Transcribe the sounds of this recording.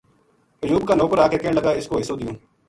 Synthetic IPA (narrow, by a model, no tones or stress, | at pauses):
əjuːbkaːnoːkəɾaːkeːkeːɳləɡaːɪskoːɦɪsoːd̪ɪjõː